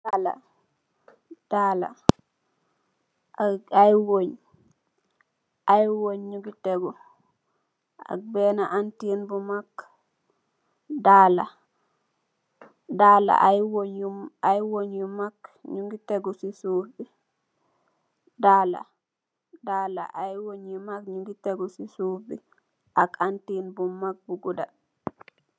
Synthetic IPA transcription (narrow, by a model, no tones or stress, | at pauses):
dala̰ | d̥ala̰ | ajwoɲ | ʔajwoɲɲuɡitɛɡɔ | a̰k̚bɛnaʔantiinbumakː | dala̰ | dala̰ajwoɲuajwoɲjumakɲuŋɡiteɡɔsisubi | dala̰ | daːla̰ʔajwoɲːimakɲuɡiteɡɔsisubi | ʔakantinbumːak̚buɡuda̰